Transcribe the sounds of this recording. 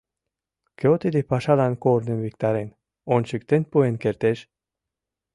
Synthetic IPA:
keot̪id̪ipaʃalankoːɾninvik̚t̪aɾen | onʃyk̚t̪enʲt̪̚poenkeɾt̪eʃ

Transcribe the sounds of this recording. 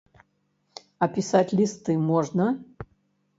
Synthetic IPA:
ɐpʲisatʲlʲist̪ɨmoʐnə

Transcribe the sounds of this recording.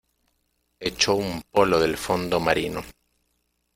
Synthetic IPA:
et͡ʃoumpo̞lo̞ðe̞lfo̞nd̪o̞maɾino

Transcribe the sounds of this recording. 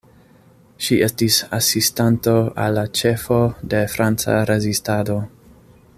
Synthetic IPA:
ʃie̞stisa̰sistanto̞a̰lːat͡ʃe̞fo̞de̞fɾant͡sa̰ɾezistado̞

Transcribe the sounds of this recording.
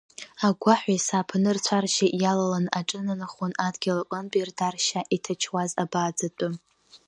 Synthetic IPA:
aɡʷaħʷajsaːpʰnɨrt͡ɕʷʰarʃaʔjalalanaʈ͡ʂʼɨnanaχonadɡʲalakʷʼanbʼirdarʃaʔitʰat͡ʃʰwazabaːd͡zatʷʼʊ

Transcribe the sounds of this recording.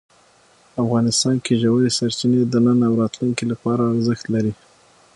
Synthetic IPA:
afɣɑnɪst̪ɑnkeʒawaɾesaɾt͡ʃined̪ənənawɾɑt̪luŋkilapɑɾaːɾzəxt̪laɾi

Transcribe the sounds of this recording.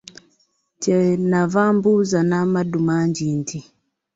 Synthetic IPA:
t͡ʃɛnavambuzanamaɗumaɲd͡ʒindi

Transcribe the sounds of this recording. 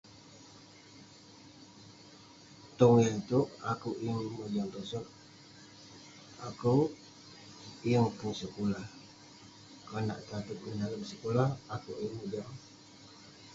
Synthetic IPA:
t̪ɔŋint̪uʔakuʔjəŋməd͡ʒaŋt̪osɔn̚ | aku | jəŋpunsəkulah | kana̰ʔt̪at̪əp̚əndaləmsəkulahakuʔəŋməd͡ʒaŋ

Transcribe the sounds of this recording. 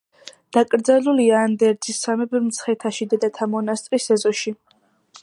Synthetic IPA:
d̪̥akʼɾd̪zaluliaːnd̪ɛɾd̪zisːamɛbmt̪sʰχɛt̪ʰaʃid̪ɛd̪at̪ʰamɔnast̪ʼɾisɛzɔʃi

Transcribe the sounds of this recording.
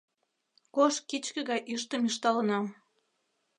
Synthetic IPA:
koʃkit͡ɕkə̆ɣɑjʔyʃt̪ə̆miʃt̪ɑlə̆nɑ

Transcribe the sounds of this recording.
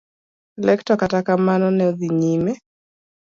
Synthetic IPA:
lɛktɔkatakamanɔnɛoðiɲimɛ

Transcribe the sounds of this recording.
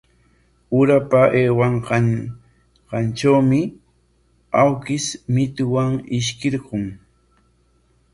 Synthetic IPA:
ʊɾapaʔeːwaɴɢ | qɑnʈ͡ʂawmɪ | awkɪsmɪt̪ʊwaŋɪʃ̬kɪɾɢʊŋ

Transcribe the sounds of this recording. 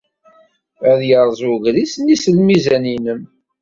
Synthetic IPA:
æðjəɾˤzˤuʝɾisnisəlmizæninəm

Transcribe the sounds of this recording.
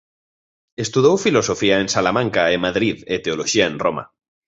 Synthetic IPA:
est̪uðowfilosofiaensalamãŋkaemaðɾiðet̪eoloʃiaẽnroma̰

